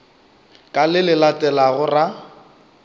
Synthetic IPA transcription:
kʼalɪlɪlatʼɛlaɣʊra

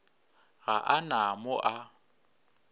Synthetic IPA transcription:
ɣaʔanamʊʔa

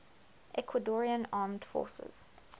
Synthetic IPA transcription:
ʔɛkʰwədɔɹiə̃nɑːmd̥fɔ̰ːˑsə̰z̥

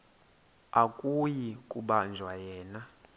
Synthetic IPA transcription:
akʼujikʼuɓand͡ʒʱwajɛːna

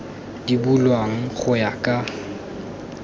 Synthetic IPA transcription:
d̥ibulwaŋ̩χʊjakʼa

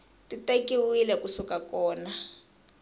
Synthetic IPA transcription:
titekiwilɛkusukakɔːna

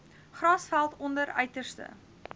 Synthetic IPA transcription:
χrɑːsfælˠtɔndəɾœ̰ɥtərstə̰

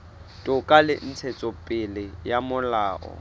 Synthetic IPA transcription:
tʼʊkʼalɪ̰n̩t͡sʰet͡sʼɔpʼɪlɪjamʊlaːʔɔ̰

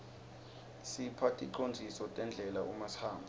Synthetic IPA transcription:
sipʰatʼiǃond͡zʱisɔtʼɛnd͡ɮʱɛlaʔumashaːmbʱa

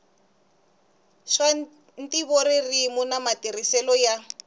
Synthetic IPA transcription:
ʂa | n̩tiβoɾirimunamatirisɛlɔja

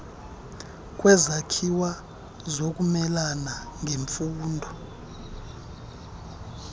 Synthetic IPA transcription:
kʼwɛzakʰiwa | zok̬ʼumɛlanaŋʱeɱfuːndʱɔ

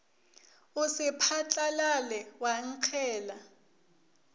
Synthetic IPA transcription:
usɪpʰat͡ɬʼalalɛwaŋ̩ǃʰɛːla

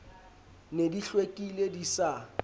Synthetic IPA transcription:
nediɬwekʼiledisa

